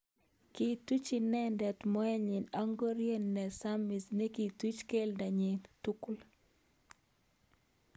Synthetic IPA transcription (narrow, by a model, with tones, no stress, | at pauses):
ki˨tu˦t͡ʃi˨nɛ˦ndɛ˨tmɔ˦ɛ˦ɲɪ˨na˦ŋɡo˦ɾje˦nːɛ˨sa˦mi˨sne˦ki˨tu˦t͡ʃke˦lda˨ɲe˨tu˦kl